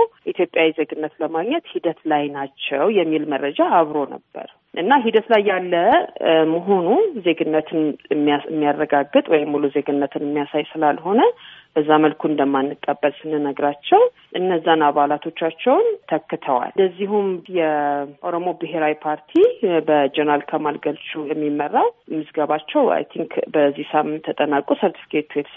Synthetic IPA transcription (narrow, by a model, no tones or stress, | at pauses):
it̪jo̞pʼjawize̞ɡɨnːət̪ləmaɡɲɛt̪hid̪ət̪lajnat͡ʃːɛwjɛmːilmərːəd͡ʒaːβɾo̞nə̰b̥ːə̰ɾ | ʔɨnːaɦid̪ət̪lajːalːəmoɦo̞nuze̞ɡɨnːət̪ʰɨnmɨ̰mːijarːəɡaɡːɨt̪ʼwɔjɪmːuluzeɡɨnːət̪ʰɨnɨmːijasajsɨlalho̞nəb̥əzːaməlkʰuɨnd̪əmːanːɨkʼːəbːəlsɨnɨnəɡɾat͡ʃːɛw | ʔɨnːəzːanaβalat̪ʰo̞t͡ʃːat͡ʃːɛwnt̪ʰəkːɨt̪ʰəwa̰ld̪əzːihumjɛʔoɾo̞mo̞bɨɦe̞ɾawipʰaɾt̪ʰibəd͡ʒɛnəɾal̚kʰəmalɡəlt͡ʃʼujɛmːimːərːamɨsɡəβat͡ʃːɛwa̰jt̪ʰiŋkbəzːisamɨnt̪ʰːət̪ʼənakʼusəɾt̪ʰi̥fi̥kʰe̞t̪ʰuɛt̪